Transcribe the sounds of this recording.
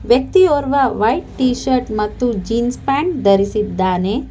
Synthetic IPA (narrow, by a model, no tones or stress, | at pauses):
ʋjɐk̚t̪ioːɾʋɐʋɐjʈːiːʃɐɾʈmɐt̪ːud͡ʒiːnspaːɳd̪ɐɾisid̪ːaːne